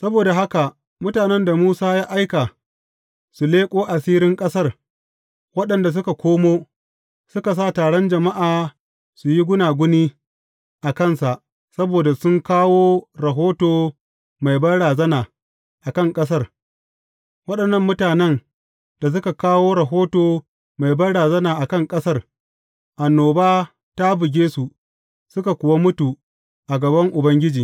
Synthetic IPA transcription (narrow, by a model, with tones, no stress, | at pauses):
sɐ˦boː˨da˨ɦa˦ka˨ | mʊ˦taː˨nɛ˦nda˨muː˦saː˦jaː˦ʔa˦jka˨ | su˨leː˦kʷʼoː˦ʔa˨siː˦ɾɪ˦ŋkʼɐ˦sɐ˦r | wɐ˦ɗɐ˨nda˨s̬ʊ˦ka˨kʷoː˦moː˦ | sʊ˦ka˨s̬aː˦˨taː˨ɽɔ˦nd͡ʒɐ˨ma˦ʔaː˨ | su˨ji˦ɡʷʊ˦naː˨ɡʷʊ˦niː˦ | ʔa˨kɐ˦˨nsa˨ʔ | sɐ˦boː˨da˨sʊ˦ŋkaː˦woː˦ɾɐ˨ɦoː˦toː˨ | ma˨jbɐ˦ɽaː˨zɐ˦naː˨ | ʔa˨kɐ˦ŋkʼɐ˦s̬ɐ˦r | wɐ˦ɗɐ˨nːɐ˦mːʊ˦taː˨nɛ˦n | d̥a˨s̬ʊ˦ka˨kaː˦woː˦ɾɐ˨ɦoː˦toː˨ | ma˨jbɐ˦rɽaː˨zɐ˦naː˨ʔa˨kɐ˦˨ŋkʼɐ˦sɐ˦r | ʔa˨nːoː˨baː˦ | ta˦bʊɪ˨ɡʲeː˦su˨ | sʊ˦ka˨kʷʊ˨wa˦mʊ˦tu˨ | ʔa˨ɡɐ˨bɐ˦ŋʔʊ˨bɐ˦ŋɡʲɪ˦d͡ʒiː˨